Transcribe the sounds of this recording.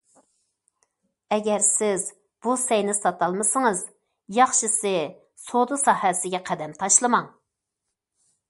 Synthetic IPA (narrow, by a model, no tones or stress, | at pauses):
ɛɡʲɛɾsɪz | b̥usɛjnɪsɑt̪ɑlˠmɨsɨŋɨz | jɑχʃɨsɨ | sod̪usɑhɛsɪɡʲɛqʰæd̪ɛmt̪ʰɑʃlˠɨmɑŋ